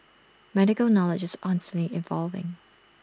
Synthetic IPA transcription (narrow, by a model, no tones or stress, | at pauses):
mɛɾɨkəl̩ˠnɑlˠɨd͡ʒɨz̥ɑnstnliʔɨ̃ɱvɑlˠvɪ̰̃ŋ